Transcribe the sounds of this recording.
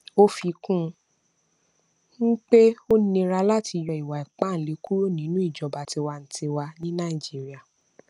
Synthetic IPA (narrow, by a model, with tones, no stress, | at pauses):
o˦fi˧kũ˦˧ | ŋ̩˦k͡pe˦o˦nĩ˧ɾa˧la˦ti˧jɔ˧˨i˨wa˨i˨k͡pa˦n̩˨le˨˦ku˦ɾo˦˨nĩ˨˦nũ˦i˦˨d͡ʒɔ˨˦ba˨ti˧wa˧n̩˨ti˧wa˧nĩ˦nã˦˨i˨d͡ʒi˨˦ɾi˦a˨